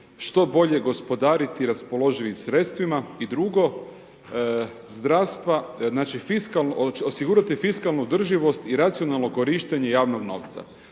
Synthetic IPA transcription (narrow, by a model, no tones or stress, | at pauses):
ʃt̪o̞bo̞ʎe̞ɡo̞spo̞d̪aːɾit̪iɾaspo̞lo̞ʒiʋimsɾe̞t̪st̪ʋimaid̪ɾuɡo̞ | zd̪ɾaːst̪ʋanaːt͡ʃifiskalnosiɡuːɾat̪ifiskalˠnuːd̪r̩ʒiʋo̞st̪iɾat̪sijo̞nalˠnoko̞ɾiʃt̪eɲe̞jaːʋno̞ɡno̞̰ʋt̪sa̰